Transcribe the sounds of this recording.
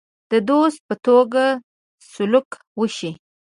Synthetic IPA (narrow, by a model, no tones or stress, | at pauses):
d̪̥əd̪ost̪̚pət̪oɡa | sʊlʊk | wəʃi